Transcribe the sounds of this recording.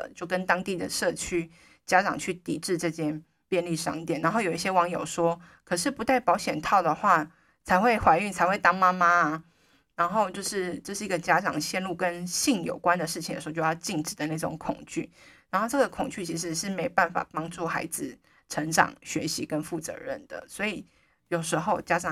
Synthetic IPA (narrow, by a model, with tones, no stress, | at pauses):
t͡ɕjo˥˩ʊkə˦nt̪ɑ˥ŋt̪i˥˩d̪ə̰˩ʂɤ˥˩t͡ɕʰy˥ | t͡ɕja˥ʈ͡ʂɑ̰˨˩ŋt͡ɕʰy˥˩t̪ḭ˨˩ʈ͡ʂɻ̩˥˧ʈ͡ʂɤ˥˧t͡ɕʰjɛ˥n | pjɛ˥˧nli˥˩ʂɑ̰˥ŋt̪jɛ˨˩˦nːa˧˥nxo˥˩ʊjo˨˩ʊi˥˩ɕjɛ˥wɑ˧˥ŋjo˨˩ʊʂwɔ˦˥ | kʰɤ˨˩ʂɻ̩˥˩pu˧˥t̪a˥˩ɪpɑ˧˥ʊɕjɛ˨˩nt̪ʰɑ˥˩ʊd̪ə˩xwa˥˩ | t͡sʰa˧˥ɪxwe˥˩ɪxwa˧˥ɪy˥˩ŋt͡sʰa˧˥ɪwe˥˩ɪt̪ɑ˥ŋma˥ma˥˨ | na˧˥nxo˥˧ʊt͡ɕjo˥˧ʊʂɻ̩˥˧ʈ͡ʂɤ˥˧ʂɻ̩˥˩i˧˥ɡə˨t͡ɕja˦˥ʈ͡ʂɑ̰˨˩ŋɕjɛ˥˧nlu˥˩kə˦˥nɕi˥˩ŋjo̰˨˩ʊkwa˦nd̪ə˨ʂɻ̩ʰ˥˩i˨ŋdə̰˨˩˧t͡ɕo˥˧jɑ˥˧ʊt͡ɕi˥˩ŋʈ͡ʂɻ̩˨˩d̪ə˩˦na˥˩ʈ͡ʂʊ̰˨˧˥ŋkʰʊ˨˩ŋt͡ɕy̰˥˩na˧˥nxo˥˧ʊʈ͡ʂɤ˥˩ɡə˩kʰʊ˨˩ŋt͡ɕy˥˩t͡ɕʰi˧˥ʂ̬ɻ̩˧ʂɻ̩˥˩me˧˥ɪpa˥˩nfa̰˨˩pɑ˥ŋʈ͡ʂu˥˩xa˧˥ɪd͡zɹ̩˨ | ʈ͡ʂʰə˧˥ŋʈ͡ʂɑ̰˨˩ŋɕɥɛ̰˧˥ɕḭ˧˥kə˦˥nfu˥˩t͡sɤ̰˧˦ɻə̰˥˩nd̪̥ə̰˩swɔ˧˥i˨˩ | jo˨˩ʊʂɻ̩˧˥xo˥˧ʊt͡ɕja˦˥ʈ͡ʂɑ˨˩ŋ